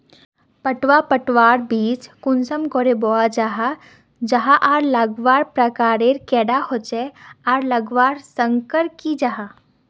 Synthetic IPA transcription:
pəʈwapəʈwaːɾbiːt͡ʃkʊnsəmkoɾeboad͡ʒaɦa | d͡ʒɐɦãʔaːɾləɡʋaːɾpɾəkaːɾeɾkɛːɖahot͡ʃɛaːɾləɡʋaːɾsəŋkəɾkid͡ʒaɦa

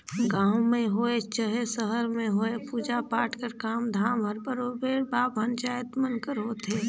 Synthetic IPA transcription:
ɡãːwmẽɦoːet͡ʃəɦesəɦəɾmẽɦoːepuːd͡ʒapaːʈʰkəɾkaːmd̪ʱaːmɦəɾbəɾoːbeːɽbaːbənt͡ʃaːjət̪mənkəɾɦoːt̪ɦeː

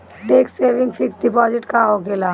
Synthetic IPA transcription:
ɖeːkseːʋɪ̃ŋɡfʰɪksɖɪpɔːzɪʈkaɦoːkeːlaː

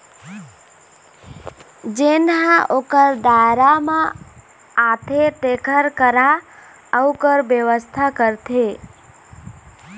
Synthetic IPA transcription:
d͡ʒenɦãʔokəɾd̪aɾamãː | p̪ʰeʈ̪ekəɾkəɾa | əukəɾʋjəʋəst̪ʰakəɾt̪ʰe

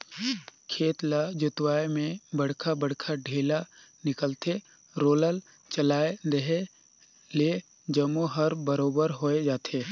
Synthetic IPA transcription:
kʰeːt̪lad͡ʒʊt̪waːemẽbɐɽ̤kʰabəɽkʰaɖʱeːlanɪkəlt̪e | ɾoːləl | t͡ʃəlaːed̪əɦe | le | d͡ʒəmuɦəɾbəɾoːbəɾɦoːed͡ʒaːt̪ʰeː

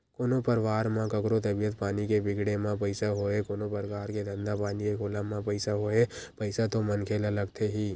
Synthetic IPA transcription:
koːnopəɾʋaːɾmãkəkɾot̪əbijət̪paːnikebɪɡɽemãpəɪsaɦoekoːnopəɾkaːɾked̪ə̃nd̪apaːnikekʰoːlãmãpəɪsaɦoepəɪsat̪omənkʰeːlələɡt̪ʰeɦiː

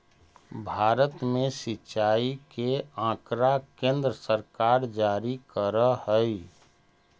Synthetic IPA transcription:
bʱaːɾət̪mẽsɪtːʃaːikeãːkɾakẽːnd̪ɾəsəɾkaːɾd͡ʒaːɾikəɾəhəi

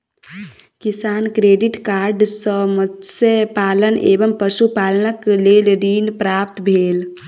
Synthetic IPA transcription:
kisaːnkɾeːɖiʈkaːɾɖsəməsepaːlənḛːbəmpəsupaːlənəkleːlɾiːnpɾaːp̚t̪bʱeːl

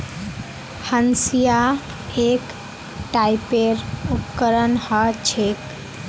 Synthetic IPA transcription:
hənsija | ek | ʈaipeɾukəɾənhət͡ʃʰek

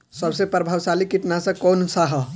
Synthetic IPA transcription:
səbsepɾəbʱaːʋsaːlikiʈ̪nasɐkɔːnsaɦə

